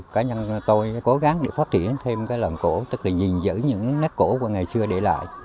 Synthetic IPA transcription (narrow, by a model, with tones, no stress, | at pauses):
kaː˨˦ɲa˧nt̪o˧jko˨˦ɣa˨˦ŋɗḛ˧˩faː˦˥t̚t̪t͡ɕi˧˩˨ənt̪ʰe˧mkaː˨˦jləː˨˩nko̰˧˥t̪ɨ˦˥k̚laː˨˩zï˨˩ŋ̟zɨ̰˧˥ɲɨ̰˧˥ŋne˦˥p̚ko˧˥ku˧˩əŋa˨˩jsɨ˧əɗe˧˩la̰ː˧˨jʔ